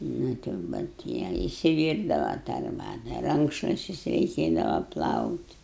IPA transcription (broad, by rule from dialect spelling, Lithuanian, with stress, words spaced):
ˈnʊ tɐɪ jɛʊ bʲɛt ˈjiɛ ɪsʲɪˈʋʲiːrdɐʋɐ tɑː ɐrˈbɑːtɐ ˈrɐŋkʃlˠʊʃʲt͡ʃʲʊs rʲɛɪˈkʲeːdɐʋɐ ˈplˠɐʊtʲ